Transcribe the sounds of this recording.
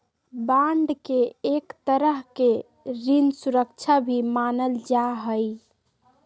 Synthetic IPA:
baɳɖkeːkt̪əɾəɦke | ɾinsuɾəkt͡ʃʰabʱimanəld͡ʒaɦəj

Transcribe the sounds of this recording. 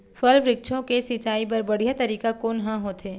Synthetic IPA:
fɐlʋɾɪkt͡ʃʰõkesit͡ʃaːip̬ɐɾbɐɽ̤ijat̪ɐɾiːkakoːnɦãɦoːt̪ɦeː

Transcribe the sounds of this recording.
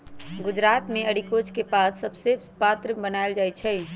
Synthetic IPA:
ɡʊd͡ʒɾaːt̪meəɽikot͡ʃkepaːssəbsɪ | paːt̪ɾəbənaeld͡ʒajt͡ʃʰɛj

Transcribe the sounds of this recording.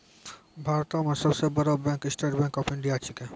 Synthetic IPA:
bʱaːɾt̪amẽsɐbsebɐɾabɛ̃ːkɪsʈeʈbɛ̃ːŋkɔpɪ̃ɳɖijat͡ʃikẽ

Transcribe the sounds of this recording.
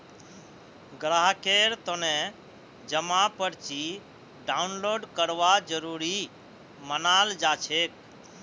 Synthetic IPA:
ɡɾaɦkeːɾt̪onɛ̃ | d͡ʒəmapəɽt͡ʃi | ɖaːʊnloːɖkəɾʋad͡ʒəɾuːɾi | mənaːld͡ʒat͡ʃʰeːk̚

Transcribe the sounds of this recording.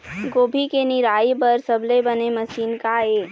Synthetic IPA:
ɡoːbʱikenɪɾaːibɐɾsɐblebɐnemɐʃiːnkaeː

